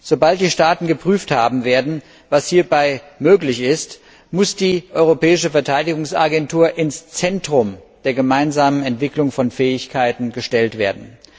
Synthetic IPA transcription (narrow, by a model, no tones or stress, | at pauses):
z̥obalt̚d̥iːʃtaːtn̩ɡəpʁ̥yːfthaːbm̩veːɐdn̩ | vashiːɐbaɪmøːklɪçɪst | mʊsd̥iːʔɔʏʁopʰɛːɪʃəfɛɐtʰaɪdɪɡʊŋsʔa̰ɡɛntʰuːɐʔɪnst͡sɛntʁ̥ʊmd̥eːɐɡəmaɪnzaːmənɛntv̥ɪklʊŋfɔnfɛːɪçkʰaɪtn̩ɡəʃtɛltv̥eːɐdn̩